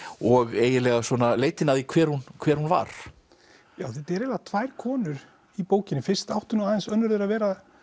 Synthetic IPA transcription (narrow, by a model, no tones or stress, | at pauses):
ɔɣeːjɪlɛɣaswɔnaleːjt̪ɪnaðikʰvɛːɾhunkʰvɛːɾ̥hunva̰ɾ̥ | jaːwθʏt̪ɛɾɛlat̪ʰvajɾ̥kʰɔːnʏɾ | ipoːwcɪnɪfɪr̥st̪awht̪ʏnɔaːðɪnsœnːʏɾðʏɾaðvɛːɾa